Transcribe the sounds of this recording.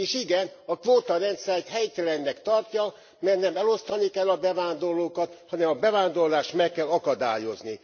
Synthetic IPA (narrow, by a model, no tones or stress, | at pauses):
eːʃiɡɛnɒkʋoːt̪ɒɾɛnt̪sɛjt̪hɛjt̪ɛlɛnːɛkt̪ɒrcɒ | mɛrnɛmɛlo̞st̪ɒnikɛlːɒbɛvaːnd̪o̞rloːkɒt̪hɒnɛmɒbɛvaːnd̪o̞rlaːʃt̪mɛkːɛlɒkɒd̪a̰ːjo̞̰zni